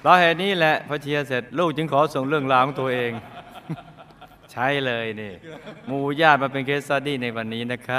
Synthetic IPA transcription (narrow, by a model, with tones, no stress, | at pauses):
la˨˧˩ɦeː˨˩t̪̚niː˦˥lɛ˨˩ʔpʰa˧t͡ɕʰi˧ɐ˧se˨˩t̪̚luː˥˩k̚t͡ɕɯ˧ŋkʰɔː˩˦so˨˩ŋɾɯ˥˩əŋlaː˧˩˦ŋt̪u˧ɐʔeː˧ŋ | t͡ɕʰa˦˥jlɤː˧jniː˧˩muː˧˩jaː˥˩t̪̚maː˧pe˧nkʰeː˦˥t̪̚saː˧˩diː˥˩na˧jwa˧nːiː˦˥˩na˦˥kʰa˦˥